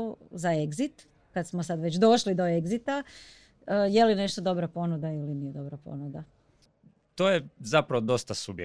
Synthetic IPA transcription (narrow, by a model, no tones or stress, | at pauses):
zaeɡzit̪ | kad̪smo̞sad̪ʋe̞t͡ɕd̪o̞ʃlid̪o̞eɡzit̪a | əje̞line̞ʃt̪od̪o̞bɾapo̞nud̪ailinijed̪o̞bɾapo̰nud̪a | t̪ojezapɾaʋod̪o̞st̪asubje